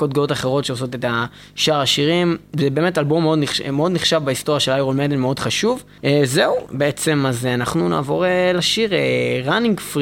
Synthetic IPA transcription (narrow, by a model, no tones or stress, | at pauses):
kod̚ɡootaχe̞ʁo̞tʃeoso̞teta | ʃaʁaʃiʁimzebe̞ːme̞talbomeo̞dniχmeo̞d̪niχʃavbaist̪o̞ʁjaʃelajʁolmedelmeo̞dχaʃuv | ezeubeet͡se̞mazanaχnuna̰ːvo̞ʁeleʃiʁeʁaniŋɡfʁ